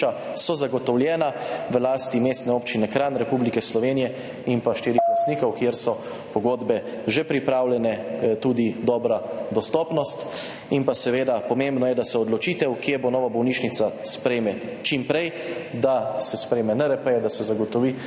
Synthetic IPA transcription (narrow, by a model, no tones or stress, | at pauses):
a | sɔzaɡɔt̪ɔwljɛːnaʋəlaːst̪imeːst̪nɛoːpt͡ʃinɛkɾanɾɛpublikɛslɔʋeːnijɛ | impaʃt̪iːɾiast̪niːkɔwkjeɾsɔ | pɔɡoːd̪bɛ | ʒepɾipɾaːwljɛnɛt̪uːd̪id̪ɔːbɾad̪ɔst̪ɔːpnɔst̪ | inpasɛʋeːd̪apɔmembnɔjɛd̪asɛɔd̪lɔt͡ʃiːt̪ɛwkjebonɔːʋabɔwniːʃnit̪saspɾeːmɛ | t͡ʃimpɾɛj | d̪asɛspɾeːmɛnɛɾɛpɛjɛd̪asɛzaɡɔt̪ɔʋiː